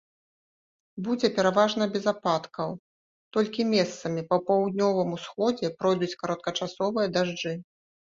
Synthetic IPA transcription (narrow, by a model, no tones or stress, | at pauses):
bud͡zʲɛpʲɛɾavaʐnɐbʲɛzapat̪kʰɐw | t̪ɔlʲkʲimʲɛst̪sɐmʲipɐpawd̪̚nʲɔvɨmusxɔd͡zʲɛpɾɔjd̪ut͡sʲkɐɾɐt̪̚kɐt͡ʂasɔvɨjɐd̪aʐd͡ʐɨ